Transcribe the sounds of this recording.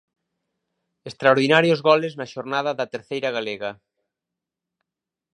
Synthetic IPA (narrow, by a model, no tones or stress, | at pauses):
est̪ɾaoɾðinaɾjozɣɔleznaʃoɾnað̞ɐðat̪eɾθejɾaɣaleɣa